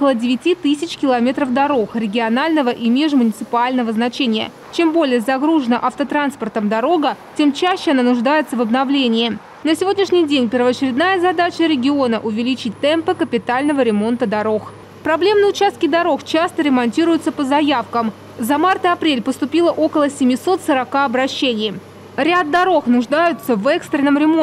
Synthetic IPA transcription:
kəlˠədʲɪvʲɪtʲit̪ɨsʲɪt͡ɕʲkʲɪlˠɐmʲe̞t̪ɾəfd̪ɐɾo̞xɾʲɪɡʲɪɐnalʲnəvəʔimʲeʐmʊnʲɪt̪sɨpalʲnəvəznɐt͡ɕenʲɪjə̰ | t͡ɕe̞mbo̞lʲɪjəzɐɡɾuʐɨnəʔɐft̪ət̪ɾanspərt̪əmd̪ɐɾo̞ɡətʲe̞mt͡ɕæɕːɪɐnanʊʐd̪ajɪt̪səvəbnɐvlʲenʲɪː | nəsʲɪvʲo̞dʲnʲɪʂnʲɪjdʲenʲpʲɪrvəɐt͡ɕɪɾʲɪd̪najəzɐd̪at͡ɕəɾʲɪɡʲɪo̞nəʔʊvʲɪlʲit͡ɕɪt̚ʲt̪ɛmpɨkəpʲɪt̪alʲnəvəɾʲɪmo̞nt̪əd̪ɐɾo̞x | pɾɐblʲe̞mnəʊt͡ɕast̪kʲɪd̪ɐɾo̞xt͡ɕast̪əɾʲɪmɐnʲtʲiɾʊjʊt̪səpəzɐjafkəm | zɐmart̪əɐpɾʲelʲpəst̪ʊpʲilˠəʔo̞kəlˠəsʲɪmʲɪso̞t̪səɾɐkaɐbɾɐɕːenʲɪj | ɾʲad̪̚ːɐɾo̞xnʊʐd̪ajʊt̪səvɛkst̪ɾʲɪnːəmɾʲɪmo

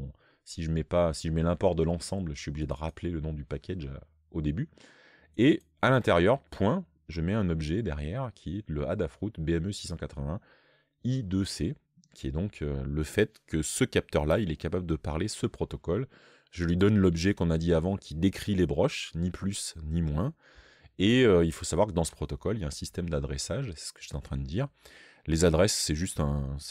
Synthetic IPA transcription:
siʒəmɛpasiʒəmɛlɛ̃pɔʁd̪əlɑ̃sɑ̃blʒəsɥiɔbliʒed̪əʁaplelənɔ̃d̪ypakʲaʒa̰ | od̪eby | e | alɛ̃t̪eʁjœʁpʰwɛ̃ | ʒəmɛɛ̃nɔbʒɛd̪ɛʁjɛʁkʲʰiɛləad̪afχut̪beɛmøsi̥sɑ̃kat̪χəvɛ̃ | id̪øse | kʲʰiɛd̪ɔ̃kʰøləfɛt̪kəsəkʲap̚t̪œʁlailɛkapabləd̪əpaʁlesəpχɔt̪ɔkɔl | ʒəlɥid̪ɔnlɔbʒɛkɔ̃nad̪iavɑ̃kʲʰid̪ekχilebʁɔʃniplysnimwɛ̃ | eøilfosavwaʁkəd̪ɑ̃sə̥pχɔt̪ɔkɔljaɛ̃sist̪ɛmd̪ad̪ʁesaʒsɛ̥sə̥kə̥ʒ̥e̥t̪ɛɑ̃t̪χɛ̃d̪əd̪iːʁ | lezad̪ʁɛsːɛʒyst̪ɛ̃

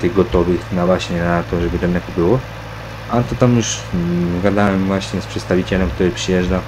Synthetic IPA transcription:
t̪ɘɣɡɔt̪ɔvɘxnavwaɕɲɛnat̪ɔʐɛbɘt̪ɛnnɛkɔbɘwɔ | at̪ɔt̪amjuʂɡad̪awɛmvwaɕɲɛspʂɛt̪st̪avʲit͡ɕɛlɛmk̚t̪uɾɘpʂɘjɛʐda

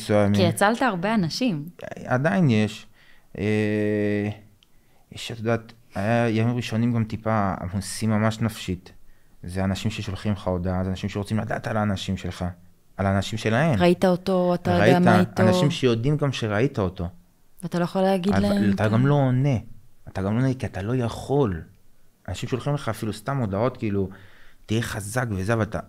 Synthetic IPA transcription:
suajamiijat͡saltaːʁbeanaʃimad̪ainje̞ʃ | e | jeʃat̪od̪aːt̪ajajamimʁiʃo̞nimɡamt̪ipaa̰mhusimːamaʃnafʃit̪zeanaʃimʃeʃolχimχao̞d̪azeanaʃimʃeʁo̞t͡simladaːt̪alanaʃimʃelχa | alaːnaʃimʃe̞lae̞mʁait̪aotoataʁeʁaiatanaʃimʃejo̞d̪imɡamʃeʁaitaot̪o̞ | vatalojeχoleaɡidlat̪aɡamlo̞ːne̞ataɡamlo̞nekiat̪alo̞jaχo̞lanaʃimʃeolχimle̞χaːfilust̪amo̞d̪ao̞t̪kiiːlutijeχazakvezeavalat̪a̰

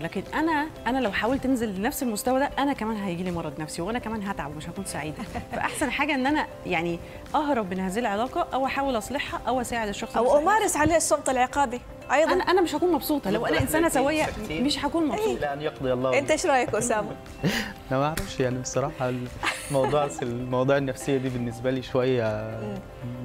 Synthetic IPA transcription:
læːkenʔænæʔænælæwħaːwelt̪enzelenæfsilmost̪æwæd̪æʔænækæmæːnɦæjeɡiːliːmɑɾˤːɑd̪næfsiweʔænækæmæːnɦæt̪ʕabwmeʃhækuːnsaʕiːd̪æfæ̰ʔaħsænħaːɡæʔenːʔænæ | jaʕni | ʔɑhɾˤɑbʔenhæːzihilʕelæːqɑʔæwʔæħaːwelʔɑsˤleħhɑʔæwʔæsæːʕed̪eʃːɑxsˤæwʔomɑːɾˤesʕaleːesˤːobt̪ˤɑlʕeqɑːbi | ʔɑjd̪ˤænæʔænæmeʃhækuːnmɑbsˤuːt̪ˤɑlæwʔænæʔensæːnæsæwæjːæmeʃɦækuːnmɑbælʔænːjɑq̚d̪ˤeɑlˤːɑːent̪æeʃɾˤɑːjekosæːmæ | ʔænæmæʔaʕɾæfʃjaʕnibesˤɑɾˤɑːħɑlmɑwd̪ˤuːʕselmɑwɑd̪ˤuːʕenːæfsejːæd̪iːbenːesbæliːʃowæjːæ

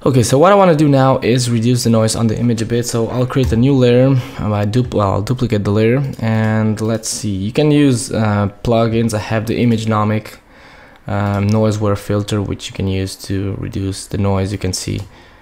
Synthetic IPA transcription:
oʊkeɪsoʊwʌɾaɪwɑ̃nɨdɨnaʊʔɪzɹidjʉs̬ðɨnɔɪz̃n̩ðḭʔɪ̃mɨd͡ʒɨbɪtsoʊʔa̰ɪlˠkʰɹ̥ieɪɾɨnjulɪɾə˞aɪdupwɛ̰lˠa̰ɪlˠduplɨkeɪt̪̚dəlɪɾə˞ɨ̃nlətsijɨkɨ̃njʉzʌpʰl̥ʌɡɪ̃nzaɨvðḭʔɪ̃mɨd͡ʒnɑmɪk | ʔʌnɔɪzwəɹfɪlˠtə˞wɪ̰t͡ʃjɨkʰɨ̃njʉz̥tʰɨɹḭdʉsðɨnɔɪzjɨkɨ̃nsḭ

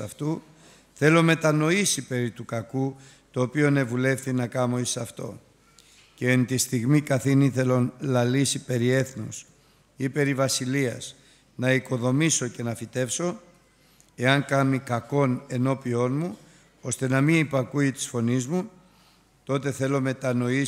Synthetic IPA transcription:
ɐft̪u | θe̞lo̞me̞t̪ɐno̞isipe̞ɾit̪ukɐku | t̪o̞ːpio̞ne̞vule̞fθinɐkɐmo̞isɐft̪o̞̰ | ce̞nt̪ist̪iɣmikɐθiniθe̞lo̞nlɐlisipe̞ɾie̞θnus | ipe̞ɾivɐsiliɐs | nɐiko̞ðo̞miso̞ce̞nɐfit̪e̞fso̞ | e̞ɐŋkɐmikɐko̞ne̞no̞pio̞nmu | o̞st̪e̞nɐminipɐkuit̪i̥sfo̞nizmu | t̪o̞t̪e̞θe̞lo̞me̞t̪ɐno̞i

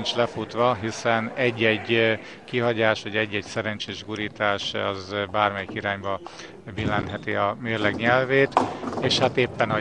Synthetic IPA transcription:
nt͡ʃlɛfut̪ʋɒɦisɛnɛɟːɛɟ | kiɦɒɟaːʃʋɒɟɛɟːɛcsɛɾɛnt͡ʃeːʒɡuɾiːt̪aːʃɒ̰zbaːrmɛjikiɾaːɲbɒ | bilːɛnt̪ɦɛt̪iɒmeːrlɛɡɲɛlveːt̪eːʃhat̪eːpːɛnɒ

